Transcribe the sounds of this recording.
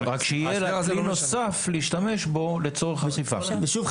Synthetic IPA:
ʁakʃeijelanosafleiʃt̪ame̞ʃbo̞le̞t͡so̞ʁeχaχifa̰veʃuv

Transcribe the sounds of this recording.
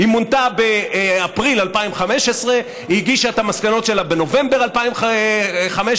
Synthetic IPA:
himontabeapʁilalpaimχame̞ʃesʁe̞ | iɡiʃaet̪hamaskano̞tʃe̞labe̞no̞ve̞mbe̞ʁalpaim | χameʃ

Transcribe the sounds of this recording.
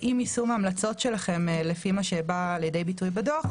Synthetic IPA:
ʔimisumːmlat͡so̞tʃe̞laχe̞mlefimaʃebaːljede̞jbitujbadoχ

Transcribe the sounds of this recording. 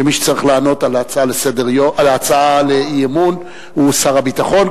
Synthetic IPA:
emiʃe̥t͡saʁiχlaːno̞t̪alalesedeʁoʔalat͡saalejemun | husaʁabit̪aχo̞n

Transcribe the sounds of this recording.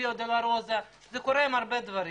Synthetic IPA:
od̪elaɾozeʃzekoɾeimaɾbed̪vaɾi

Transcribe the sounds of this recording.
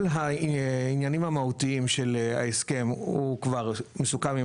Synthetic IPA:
lɦainjanimhamahutiimʃela̰eske̞mhukvaʁmesukami

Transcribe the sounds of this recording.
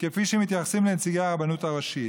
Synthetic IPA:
kefiʃemit̪jaχasimlent͡siɡabanut̪aʁaʃit

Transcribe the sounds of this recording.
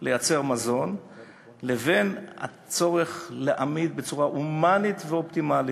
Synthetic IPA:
le̞jat͡se̞ʁmazo̞n | leve̞na̰ | t͡so̞ʁe̞χleʔamid̪̚bet͡suʁaʔumanit̪veopt̪imali

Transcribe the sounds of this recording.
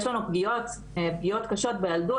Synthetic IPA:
jɛʃlanupɡijot | epɡijo̞t̪kaʃo̞t̪̚bejaldu

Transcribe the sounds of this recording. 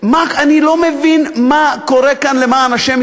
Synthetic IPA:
makanilo̞mevinmako̞ʁekanlemaːnaʃim

